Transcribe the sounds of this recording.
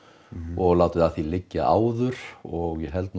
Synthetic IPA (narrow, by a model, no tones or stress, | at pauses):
ɔɣlaːwt̪ʏðaθilɪcːɪʔaːwðʏɾ̥ɔɣɛɦɛlt̪̚n